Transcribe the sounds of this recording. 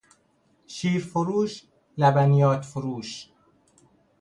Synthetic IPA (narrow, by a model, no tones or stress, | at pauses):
ʃiːɾfoɾuːʃ | læbænijɒːt̪ʰfoɾuːʃ